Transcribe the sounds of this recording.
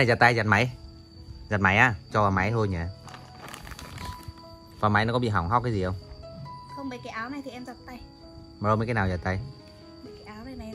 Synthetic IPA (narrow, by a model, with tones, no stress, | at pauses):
a˨˩za˨˩t̚t̪a˧jza˨˩t̚ma˨˦j | zaː˨˩t̚ma˨˦jʔaː˧˩t͡ɕɔ˧vaː˨˩ma˨˦jt̪ʰo˧jɲaː˨˩ | vaː˨˩ma˨˦jnɔ˨˦kɔ˨˦ḭ˧˨ɦa˨˩wŋ͡mɦa˦˥w̚kaː˨˦zi˨˩ʔə˧wŋ͡mxə˧ŋ͡mmɓəː˨˩jkaː˨˦jʔaː˨˦wna˨˩jt̪ʰi˨˩ʔɛ˧mza˨˩t̚t̪a˧j | maː˨˩lo˧mə˨˦jkaː˨˦naː˨˩za˨˩t̪a˧j | kaː˨˦jʔaː˨˦wna˨na˨